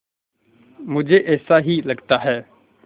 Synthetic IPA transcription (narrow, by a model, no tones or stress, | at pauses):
mʊd͡ʒʱeːʔɛːsaːɦiːləɡt̪aːɦɛː